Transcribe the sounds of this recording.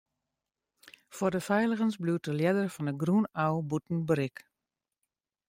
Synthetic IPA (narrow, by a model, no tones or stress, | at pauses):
fwordəfɛjləɣənsbluwt̚dəljɛdərfɔnəɡrunawbutn̩bəɾɪk